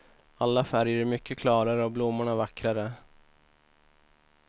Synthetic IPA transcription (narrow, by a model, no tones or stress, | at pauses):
alːafæɾjəɾmʏkːəkʰlɑːɾaɾəɔblʊmːʊɳavakːɾaɾə